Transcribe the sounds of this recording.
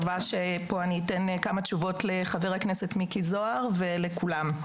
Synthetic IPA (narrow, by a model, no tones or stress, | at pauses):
vaʃepo̞aniːtenkamat͡ʃuvo̞tleχaveʁaknesetmikizo̞aʁve̞lekulam